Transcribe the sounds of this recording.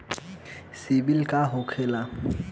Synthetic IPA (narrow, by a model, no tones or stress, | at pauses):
sɪbilkʼaɦʊkʰɛːla